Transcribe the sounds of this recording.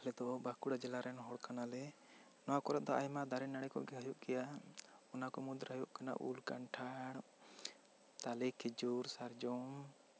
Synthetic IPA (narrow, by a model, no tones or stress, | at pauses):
lɛd̪ɔʔɔbakuɽad͡ʒɛlaɾɛnɦɔɽkanalɛ | nɔwakɔɾat̪̚d̪ɔajmad̪aɾɛnaɽ̃ɛkɔ̰ʔɡɛɦajuʔkɛjaɔnakɔmud̪ɾɦajuʔkana̰ʔṵlkaɳʈʰaɽ | t̪alɛkʰid͡ʒuɾsaɾd͡ʒɔm